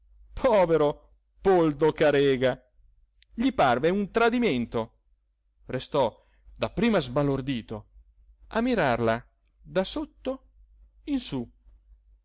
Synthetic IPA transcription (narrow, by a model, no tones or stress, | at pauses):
pʰɔːveɾo | pold̪okaɾɛːɡa | ʎiparveunt̪ɾad̪imɛnt̪o | rest̪ɔ | d̪apːɾiːmazbalord̪iːt̪o | amːiɾarla | d̪asot̪ːo | insu